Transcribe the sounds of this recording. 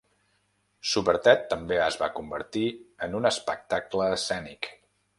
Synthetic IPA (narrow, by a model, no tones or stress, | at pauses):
suβəɾt̪ɛt̪ːəmbeəzβa̰kumbəɾt̪iənunəspək̚t̪akləːsɛnik